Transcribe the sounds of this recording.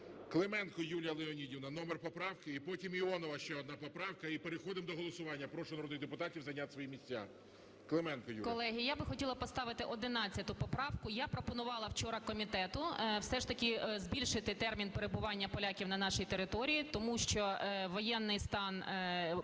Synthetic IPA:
klˠemɛnkɔjulʲjɐlˠeɔnʲidʲiwnɐnɔmerpɔpɾɑwkɪipɔtʲimiɔnɔʋɐʃt͡ʃɛɔd̪nɑpɔpɾɑwkɐipeɾexɔd̪ɪmd̪ɔɦɔlˠɔsʊʋɑnʲːɐpɾɔʃʊnɐɾɔd̪nɣd̪epʊt̪ɑtʲiwzɐjnʲat̪sʋɔjimʲisʲt͡sʲːa̰ | klˠemɛnkɔjṵkɔlˠɛɦɪjabɪxɔtʲilˠɐpɔst̪ɑʋɪt̪ɪʔɔd̪ɪnɑt͡sʲːɐt̪ʊpɔpɾɑwkʊjapɾɔpɔnʊʋɑlˠɐwt͡ʃɔɾɐkɔmʲit̪ɛt̪ʊwsɛʃt̪ɐkʲɪzbʲilʲʃɪt̪ɪt̪ɛrmʲinpeɾebʊʋɑnʲːɐpɔlʲakʲiwnɐnɑʃijt̪eɾɪt̪ɔɾʲijit̪ɔmuʃt͡ʃɔʋɔjɛnːɪjst̪ɑn

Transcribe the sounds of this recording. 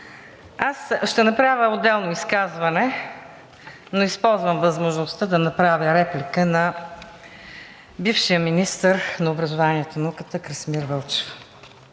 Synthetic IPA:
asʃt̪ɛnɐpɾavʲəod̪ɛlˠnoiskazvɐnɛ | noispɔlˠzvəmvəzmoʒnost̪əd̪ɐnɐpɾavʲəɾɛplikənɐ | bifʃijəminist̪əɾnɐobɾɐzʊvaniɛt̪onɐukət̪əkɾəsmiɾvɤlˠt͡ʃɛ̥f

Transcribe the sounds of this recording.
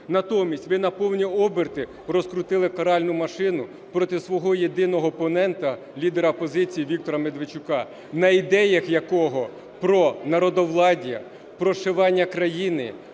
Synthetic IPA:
nɐt̪ɔmʲisʲtʲʋɪnɐpɔwnʲiɔbɪrt̪ɪ | ɾɔskɾʊt̪ɪlˠɪkɐɾɑlʲnʊmɐʃɪnʊ | pɾɔt̪ɪsʋɔɦɔjed̪ɪnɔɦɔːpɔnɛnt̪ɐ | lʲid̪eɾɐpɔzɪt͡sʲijiʋʲik̚t̪ɔɾɐmed̪ʋɪt͡ʃʊkɑ | nɐid̪ɛjɐxjɐkɔɦɔ | pɾɔnɐɾɔd̪ɔʋlˠɑdʲjɐ | pɾɔʃeʋɑnʲːɐkɾɐjinɪ̰

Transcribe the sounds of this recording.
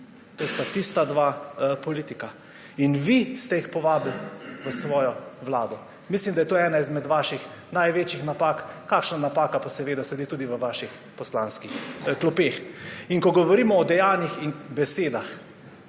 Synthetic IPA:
t̪oːst̪at̪ist̪ad̪ʋapɔliːt̪ika | inʋist̪ɛjixpɔʋaːblʋəsʋɔːjɔʋlaːd̪ɔ | mislimd̪ajɛt̪oːɛːnaizmɛd̪ʋaːʃix | najʋeːt͡ʃixnapaːkkakʃnanapaːkapasɛʋeːd̪asɛd̪et̪uːd̪iʋəʋaːʃix | pɔslanskixklupeːxiŋkɔɡɔʋɔɾiːmɔːd̪ɛjanixinbɛseːd̪ax

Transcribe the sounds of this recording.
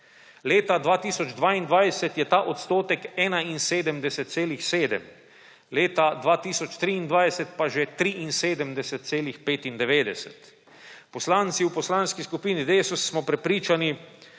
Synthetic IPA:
leːt̪ad̪ʋaːt̪iːsɔd͡ʒd̪ʋaːind̪ʋajsɛt̪jɛt̪aːʔot̪st̪oːt̪ɛkɛːnainseːd̪əmd̪ɛsɛt̪̚seːlixseːd̪ɛm | leːt̪ad̪ʋaːt̪iːsɔt͡ʃt̪ɾiːnd̪ʋaːjsɛt̪paʒet̪ɾiʔinseːd̪əmd̪ɛsɛt̪̚t̪seːlixpeːt̪ind̪ɛʋeːd̪ɛsɛt̪ | pɔslaːnt̪siwpɔslaːnskiskupiːnid̪eːsusːmɔpɾɛpɾiːt͡ʃani

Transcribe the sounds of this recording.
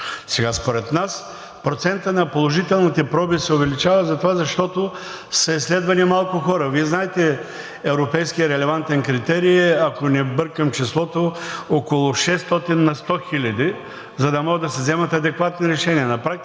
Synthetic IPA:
sɛɡaspoɾɛt̪nas | pɾot̪sɛnt̪ənɐpolˠoʒit̪ɛlˠnit̪ɛpɾɔbisɛʊvɛlit͡ʃavəzɐt̪ovazɐʃt̪ɔt̪o | sɐislɛd̪vɐnimalˠkʊxɔɾəviɛznaɛt̪ɛ | ɛvɾopɛjskijəɾɛlɛvant̪ɛnkɾit̪ɛɾiːɐkonɛbɤɾkəmt͡ʃɛslˠɔt̪ookolˠʊʃɛst̪ɔt̪inːɐst̪ɔxilʲɐd̪i | zɐd̪ɐmɔɡəd̪ɐsɛzɛmɐt̪ɐd̪ɛkvat̪niɾɛʃɛniɐnɐpɾak̪̚

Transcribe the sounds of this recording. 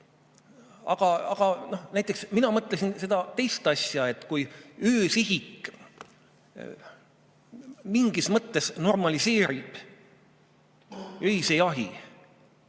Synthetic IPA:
ɑ̰ɡ̥ɑɑ̰ɡ̥ɑno̞hnæjt̪ːˑe̞ksminɑmɤt̪ːˑlesinse̞d̪̥ɑt̪e̞jst̪ˑɑsʲjɑe̞t̪ːˑkujøːsiɦikˑ | miŋɡ̥ismɤt̪ːe̞sno̞rmɑlise̞ːɾib̥ | øisejɑɦi

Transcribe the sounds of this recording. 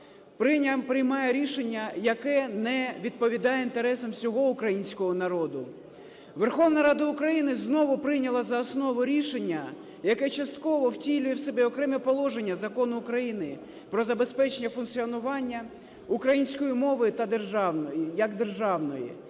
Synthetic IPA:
pɾɪpɾɪjmɑjɛɾʲiʃenʲːɐjɐkɛnɛʋʲid̪̚pɔʋʲid̪ɑjɛint̪eɾɛsɐmsʲɔɦɔʊkɾɐjinʲsʲkɔɦɔnɐɾɔd̪ʊ | ʋe̞rxɔwnɐɾɑd̪ɐʊkɾɐjinɪznɔʋʊpɾɪnʲɐlˠɐzɐːsnɔʋʊɾʲiʃenʲːɐ | jɐkɛt͡ʃɐst̪kɔʋɔwtʲilʲʊjɛwsɛbɛɔkɾɛmɛpɔlˠɔʒe̞nʲːɐzɐkɔnʊːkɾɐjinɪ | pɾɔzɐbe̞spɛt͡ʃenʲːɐfʊnk̪t̪t͡sʲiɔnʊʋɑnʲːɐ | ukɾɐjinʲsʲkɔjimɔʋɪjʊt̪ɐd̪e̞rʒɑwnɔjijɐkd̪e̞rʒɑwnɔjḭ

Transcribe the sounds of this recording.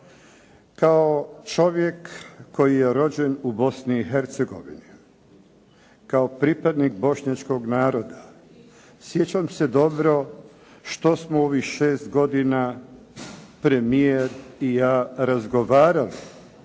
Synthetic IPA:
kaot͡ʃo̞ʋjekːo̞jijeɾo̞d͡ʑe̞nubo̞sniːɦe̞ɾt̪seɡo̞̰ʋḭni | kaopɾipad̪nik̚bo̞ʃɲat͡ʃko̞ɡnaːɾod̪a | sjet͡ɕamse̞d̪o̞bɾo̞ | ʃt̪o̞smooʋixʃeːst̪ɡo̞d̪ina | pɾe̞mieɾijaːɾazɡo̞ʋaːɾali

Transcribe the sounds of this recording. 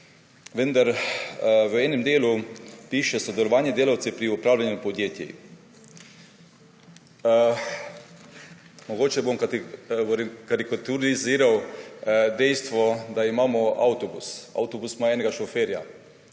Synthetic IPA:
ʋənd̪aɾ | ʋəɛːnɛmd̪eːlupiːʃɛsɔd̪ɛlɔʋaːnjɛd̪eːlawt̪sɛpɾiupɾaːwlanjupod̪jeːt̪jɛ̰ | moɡoːt͡ʃɛbomk | ɾkaɾikat̪uɾiziːɾaw | d̪ɛjst̪ʋɔd̪aimaːmɔawt̪ɔbṵsa̰wt̪obusmaɛːnɛɡaʃofeːɾja̰

